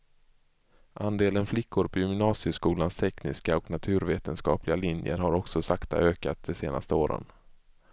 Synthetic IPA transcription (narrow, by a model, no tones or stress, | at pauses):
ʔand̪eːlənflɪkʰːʊɾpʰɔjʏmnɑːsɪəskuːlanst̪ʰɛknɪ̰skaɔknat̪ʰʉ̟ːɾveːt̪ənskɑ̰ːplɪɡalɪnjə̰ɾɦaɾɔksɔsakt̪a̰ʔøːkat̪̚d̪ɛseːna̰st̪əoːɾə̰n